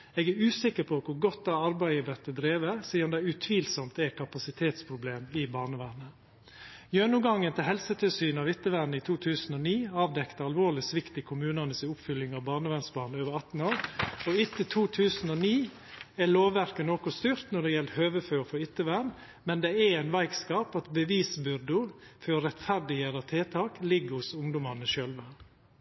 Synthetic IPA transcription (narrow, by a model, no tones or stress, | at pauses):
ɛɡæɾʉːsɪkːəɾpʰɔkʰʊɾɡɔt̪̚d̪ɑɑɾbæɪəʋɛt̪ːəd̪ɾeːʋəsiːɑnd̪ɛʉt̪ʰʋiːlsɔmt̪ɛkʰɑpɑsɪt̪ʰeːt̪spʰɾʊbleːmɪbɑːɳəʋæːnə | jøːnʊɡɑŋːənt̪ʰɪlɦɛlsət̪ʰɪlsyːnɑʋɪt̪ːəʋænəɪt̪ʰuːt̪ʰʉːsən̩ɔniːɑːʋd̪ɛkt̪əɑlʋoːlɪsʋɪkt̪ɪkʰʊmʉːnənəsɪʊpfʏlːɪŋɑʋbɑːɳəʋænsbɑːnəøːʋəɾɑt̪n̩oːɾɔʏt̪ːət̪ʰuːt̪ʰʉːsn̩ɔniː | æloːʋːæɾkənokɔst̪yːɾt̪nɔɖ̪ɛjɛlt̪høːʋəfœːfɔʏt̪ːəʋæn | mɛnd̪ɛɛæɪnʋæɪkskɑːpɑt̪bəʋiːsbʏɾd̪ʊfɔɾɛt̪fæɾɖ̪ɪheːɾɑt̪ʰeːt̪ʰɑːklɪɡːhʊsʊŋd̪ʊmɑnəʃœlʋə